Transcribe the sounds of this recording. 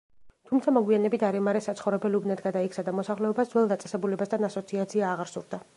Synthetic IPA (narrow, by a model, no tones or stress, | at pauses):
t̪ʰumt̪sʰamɔɡwianɛbit̪aɾɛmaɾɛsat̪sχɔvɾɛbɛlubnat̪ɡad̪aikʰsad̪amɔsaχlɛɔbasd̪zwɛlˠd̪at̪sʼɛsɛbulɛbasd̪ʰanasɔt̪sʰiat̪sʰiaːʁaɾsuɾd̪a